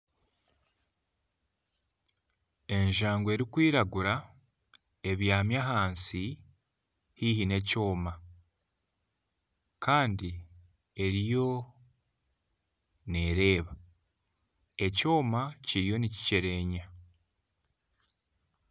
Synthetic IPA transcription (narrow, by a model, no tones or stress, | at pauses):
e̞ɲʒaːŋɡwe̞ɾikwiːɾaɡuɾa | e̞βjaːmjaɦaːnsi | hihine̞co̞ːma | kaːndi | e̞ɾijo̞ | ne̞ːɾe̞ːβa | e̞co̞ːmaciɾijo̞nici̥ce̞ɾe̞ɲa